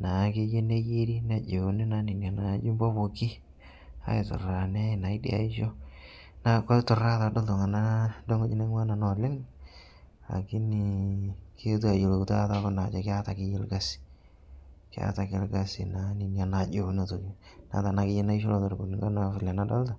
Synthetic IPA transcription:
na˨kɪ˦je˦ne˦ji˦ɾi˦na˨d͡ʒo˨ne˦na˦nɪ˨nja˨na˨˦d͡ʒu˦mbɔ˦bo˨kɪ˦ | a̰˦ɪ˨tʊ̰˨ra˨ne˦a˦˨na˨ɪ˦dḭ˨a̰˨i˦ʃo˦ | na˦kɔ˦tʊ˨ra˦ta˨˦do˦ltɔ˨ŋa˨na˦do˦ŋɡo˦d͡ʒi˦ne˦ŋ˦wa˦na˨nɔ˨lɪ˦ŋ | la̰˨kɪ˦nɪ˨kʰe˦t̬u˦a˨jo˨lo˨kta˦ta˦kɔ˦na˨t͡ʃɔ˨kɪ˦a˦ta˨kɪ˦je˦lɡa˦sɪ̥˨ | kɪ˦a̰˦ta˨kɪ˦lɡa˦sɪ̰˨na˨˦nɪ˨nja˨na˨d͡ʒo˨˦ne˦to˨i˦ | na̰˨˦ta˨na˨˦kɪ˦je˦na˦i˦ʃo˦lɔ˨tɔ˨ɾbu˨ni˨ŋɡa˦na˦fɪ˨la˨na˦da˦lta˨

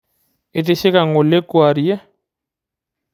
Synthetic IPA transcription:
ɪ˨te˦ʃe˦ka˨ŋʊ˨lɪ˦kwa˨ɾi˨ɛ˦

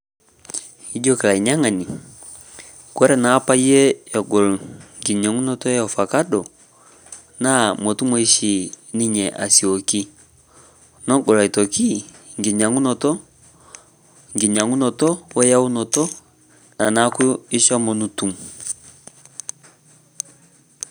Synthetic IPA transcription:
i˦d͡ʒɔ˦kɛ˨la˨i˨ɲa˦ŋa˨ni˨ | kwɛ˦ɾɛ˨na˨˦pa˦jɛ˦jɔ˨ɡɔ˨lŋɡi˨ɲa˨ŋu˦nɔ˦tɔ˦jɔ˨fa˨ka˦dɔ˨ | na˦mɔ˨tu˦mɔ˦i˦ʃi˨ | ni˦ɲɛ˨ʔa̰˨si˨o˨ki˦ | nɔ˦ɡɔ˨la˨i˨tɔ˨ki˦ | ŋɡi˨ɲa˨ŋu˦nɔ˨tɔ˦ | ŋɡi˨ɲa˨ŋu˦nɔ˨tɔ˦wɛ˦ja˦u˦nɔ˨tɔ˦ | na˨na˦ku˦i˦ʃɔ˦mɔ˨nu˦tu˨m

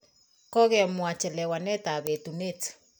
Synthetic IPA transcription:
kɔ˦kɛ˨mwa˨t͡ʃɛ˨lɛ˨wa˨nɛ˦ta˨βe˨tu˨net

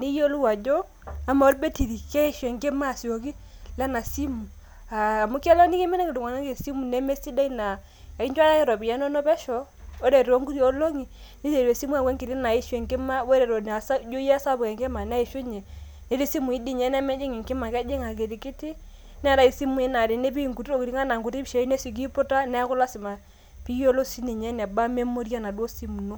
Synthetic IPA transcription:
ni˦jo˦lu˦wa˨d͡ʒɔ˦ | a˨ma˨o˦lbɛ˦ti˨ɾi˨kɛ˦i˦ʃɛ˨ŋkɪ˦ma˦˨si˨o˨ki˦ | lɛ˦na˨si˦mu˨ | a˨mu˦kɛ˦lɔ˦ni˦ke˦mɛ˦nɛ˦ŋɪ˨du˨ŋa˨na˦ke˨si˦mu˨nɛ˦me˦si˦da˦i˦na˨ | a˨i˦ɲd͡ʒa˦ɾa˦kɛ˦ɾɔ˨bi˨ja˦nɔ˦nɔ˦bɛ˦ʃɔ˨ | o˦ɾɛ˨ɾo˦ŋɡu˦ɾi˦o˦lo˦ŋi˨ | ni˦te˨ɾe˨si˦mu˦a˨kwɛ˦ŋkɪ˨ɾi˦na˨i˦ʃwɛ˨ŋkɪ˦ma˦wɔ˦ɾɛ˨ɾɔ˨n˨a˨sa˦d͡ʒo˦jɛ˦sa˦bʊ˨kɛ˨ŋkɪ˦ma˨n˦a˦i˨ʃo˦ɲɛ˨ | ne˦ɾi˦si˦mu˨i˦di˦˨ɲɛ˦nɛ˦mɛ˦d͡ʒɪ˦ŋi˨ŋkɪ˦ma˨kɛ˦d͡ʒɪ˦ŋa˨ke˨ɾi˨kɪ˦tɪ˦ | n˦ɾa˦i˦si˦mu˦i˦na˨ɾi˨ne˦pi˦˨ŋku˨to˦˨ki˨ɾi˦ŋa˦na˨ŋɡu˨ti˦pʃe˨˦i˦ne˦si˨k̬i˦pʊ˦ta˦nɛ˦kʊ˦la˦sɪ˨ma˨ | pi˦o˦lo˦si˦ni˨ɲɛ˦nɛ˨ba˦me˦mo˦ɾja˦na˨dwo˦si˦mu˨no˦

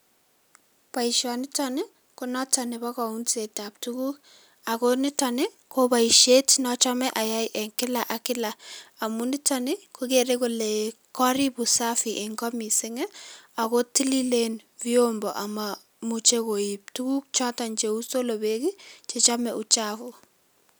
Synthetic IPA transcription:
pa˨iʃɔ˨nɪtɔnɪ˦ | ko˦nɔ˦tɔnɛba˦kɔ˨unseta˨p̚tuku˦k | ako˦nɪtɔnɪ˦ | kopa˨i˨ʃe˦tnɔ˦t͡ʃɔ˦mɛ˦ʔa˨ja˦jʔɛŋkɪ˦la˨ʔa˨kɪ˦la˨a˨munɪ˦tɔnɪ˦ko˦ke˨ɾeko˨lekɔ˦ɾi˦bu˨safiʔɪ˨ŋɡɔ˦mi˨sɪ˦ŋɛ˦a˨ko˦ti˦li˦lenviombɔ˨ʔa˨ma | mu˨t͡ʃe˦ko˨ip̚tu˦ku˦k̚t͡ʃɔta˨nt͡ʃe˨u˦so˦lo˨beki˦t͡ʃe˨t͡ʃamɛ˨ʔu˨t͡ʃafu˨

